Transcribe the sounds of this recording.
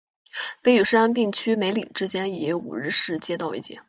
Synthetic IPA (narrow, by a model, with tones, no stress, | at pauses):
pe˥˩ɪy˨˩ʂɻ̩˥a˥np̬i˥˩ŋt͡ɕʰy˥me˧˥ɪli˨˩ʈ͡ʂɻ̩˥t͡ɕjɛ˥n˨˩jo˥˩ṵ˨˩ɻɻ̩˥˧ʂɻ̩˥˩t͡ɕjɛ˥t̪ɑ˥˧ʊḛ˥ɪt͡ɕjɛ̰˥˩˦